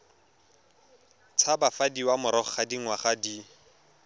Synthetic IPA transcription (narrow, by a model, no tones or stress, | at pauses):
t͡sʰabafadiwamʊɾɔχχadiŋ̩waχadi